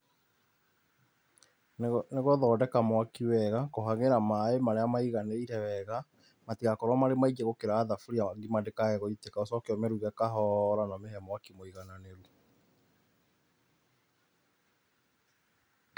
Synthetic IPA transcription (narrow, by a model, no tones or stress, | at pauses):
neɣɔðɔːdɛkamwakiwɛɣakoɦaɣeɾamaemaɾeamaiɣaneiɾɛwɛɣa | matiɣakɔɾwamaɾemaid͡ʒeɣokeɾaːðafuɾiaɡimadekaɣɛɣɔitekaosɔkeɔmeɾuɣakaɦɔɾanɔmehɛmɔwakimoiɣananeɾu